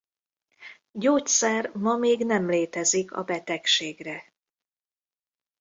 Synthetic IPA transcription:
ɟoːtsɛrmɒmeːɡnɛmleːt̪ɛzikɒ̰bɛt̪ɛkʃeːɡrɛ

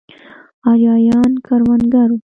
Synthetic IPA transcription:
ɑɾjɑːjɑːnkaɾwanɡaɾu

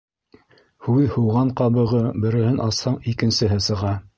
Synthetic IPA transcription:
hʉðhuwʁɑɴqɑβɤ̆ʁɤbɘ̆ɾɘ̆hɘnʔɑshɑɴikɘ̆nsɘ̆ɦɘsɤ̆ʁɑ

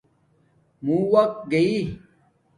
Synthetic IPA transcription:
mũːwɐk̚t̪̚ɡɐiː

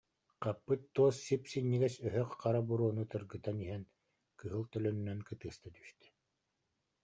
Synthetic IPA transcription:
qapːɯt̪ːuːsːipsinːiɡɛsœɦœqq͡χaɾabuɾuɔnut̪ɯɾɡɯt̪aniɦɛn | kɯɦɯlˠt̪œlœnynɛnkɯt̪ɯːst̪at̪y̥ʃt̪ɛ̥

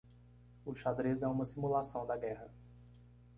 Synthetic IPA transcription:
ʊʃad̪ɾizɛũmɐsimulasɐ̃w̃d̪ɐɡɛhɐ

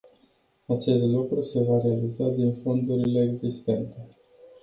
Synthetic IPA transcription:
at͡ʃe̞st̪lukɾuse̞vaɾealizad̪info̞nd̪uɾile̞ːɡzist̪e̞nt̪e̞

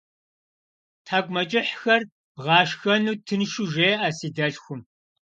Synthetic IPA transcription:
tʰaːɡʷʼmɐt͡ʃʼɪħxɐr | bʁɑːʃxɐnuːtʰɨnʃuʒeːʔɐsiːdɐɬxʷʊm

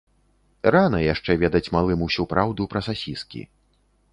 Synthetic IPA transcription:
ranɐjaʂt͡ʂɛvʲɛd̪ɐt͡sʲmalˠɨmuwsʲupɾawd̪upɾɐsasʲiskʲḭ

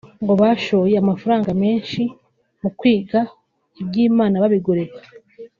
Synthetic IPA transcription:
ŋɡo̞βaʃo̞ːjeamafaɾaːŋɡame̞ːnʃi | mukwiːɡa | ibɟiːmaːnaβaβiɡoɾekḁ

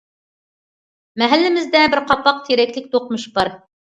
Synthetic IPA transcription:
mæɦælːɘ̆mɘ̆zd̪æbɘɾqɑpːɑq̚t̪ʰiɾæklɘk̚t̪uqmɤʃbɑɾ

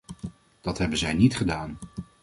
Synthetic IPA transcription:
d̥ɑtɦɛbənzɛjnitχədaːn

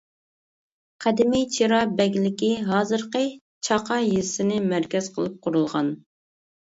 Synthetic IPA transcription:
qʰæd̪ɪmɪjt͡ʃʰiɾɑbɛɡʲlɪkʲiɦɑːzɨɾqə | t͡ʃʰɑqʰɑjisɪnɪmæɾkʲɛz̥qʰəlˠɨp̚qʰʊɾulˠʁɑn

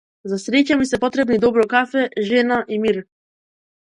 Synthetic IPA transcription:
zasɾɛcamisɛpɔt̪ɾɛbnid̪ɔbɾɔkafɛʒɛnaʔimiɾ

